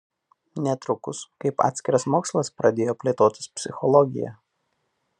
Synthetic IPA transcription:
nʲɛt̪ɾʊkʊskɐɪpɑ̰ːt̪ʲsʲkʲɪɾɐsmoːkslˠɐspɾɐd̪ʲeːjoːpʲlʲeːt̪oːt̪ʲɪ̥spʲsʲɪxɔlˠɔɡʲɪ̰jɛ̰

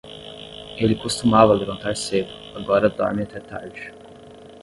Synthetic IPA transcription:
elʲikost̪umavɐlɾõnt̪aɾsebuaɡɔɾɐd̪ɔ̰ɾmit̪ɛt̪a̰d͡ʒi̥

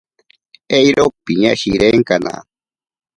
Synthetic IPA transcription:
ejɾopiɲaʃiɾeŋkana̰

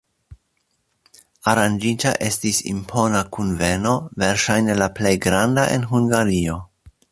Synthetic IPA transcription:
aɾand͡ʒita̰ʔe̞stisḭmpʰo̞nakunve̞no̞ve̞ɾʃajne̞laple̞jɡɾandaʔe̞̰nɦuŋɡaɾio̞

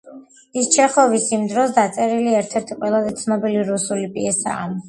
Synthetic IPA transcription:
ist͡ʃʰɛχɔvisimd̪ɾɔsd̪at̪sʼɛɾiliɛɾt̪ʰɛɾt̪ʰiqʼwɛlˠazɛt̪sʰnɔbiliɾusulipʼiɛsa̰ː

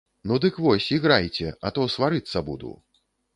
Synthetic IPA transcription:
nud̪ɨkvɔsʲiɣɾajt͡sʲɛat̪ɔsvaɾɨt̪sːɐbṵd̪ṵ

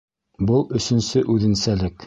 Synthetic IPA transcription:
bɤlˠɵ̆sɵ̆nsɘʔʉðɘ̆nsælɘk

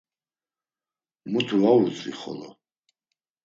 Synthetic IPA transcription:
mut̪ʰuaut͡sʼiχɔ̰lɔ

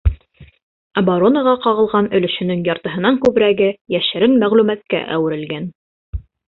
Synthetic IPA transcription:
ɑbaɾonaʁɑqɑʁɤ̆lˠʁɑnɵ̆lɵ̆ʃɵ̆nɘŋjɑɾt̪ɤ̆ɦɤ̆nɑŋkʉβɾæɡɘjæʃɘ̆ɾɘnmæʁlʉmæt̪̚kæ̰ʔæ̰wɘ̆ɾɘ̆lɡæn

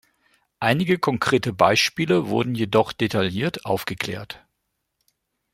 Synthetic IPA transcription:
ʔaɪnɪɡəkʰɔŋkʁ̥eːtəbaɪʃpiːləvʊɐdn̩jedɔχd̥etʰaljiːɐtʔaʊfɡ̥əkl̥ɛ̰ːɐt

